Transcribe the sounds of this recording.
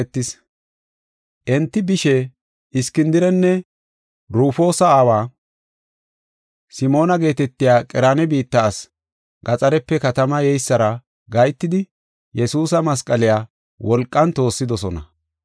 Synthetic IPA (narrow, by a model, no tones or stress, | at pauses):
t̪ːɪs | ʔɛnt̪ːɪbɪʃɛ | ɪskɪnd̪ɪɾɛnːɛ | ɾuːfo̞ːsɐaːwaː | sɪmo̞ːnɐɡe̞ːt̪ɛt̪ːɪjaːkʼɪɾaːnɛbiːt̪ːɐːs | ɡɐt͡sʼɐɾɛpːɛkɐt̪ɐmɐjɛjsːɐɾɐ | ɡɐjt̪ːɪd̪ɪ | jɛsuːsɐmɐs̬kʼɐlɪjaː | wʔɔlkʼːɐnt̪o̞ːsːɪd̪ɔsɔnɐ̰